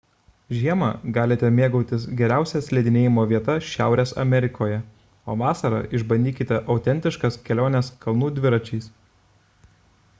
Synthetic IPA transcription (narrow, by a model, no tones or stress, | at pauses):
ʒʲiɛmɑ̰ɡɑːlʲet̪ʲɛmʲeɛɡɐʊt̪ʲɪsɡʲɛɾʲæˑʊsʲɛsʲlʲɛd̪ʲɪnʲeːjɪmoːʋʲiɛt̪ɐʃʲæˑʊɾʲeːsɐ̰mʲɛɾʲɪkʰoːjɛ | o̰ːʋɑːsɐɾɑ̰ʔɪʒbɐnʲd̪ʲiːkʲɪt̪ʲɛʔɐʊt̪ʲɛnʲt̪ʲɪʃkɐskʲɛlʲoːnʲɛskɐlˠnuːd̪ʲʋʲɪɾɐt͡ʃʲɛɪs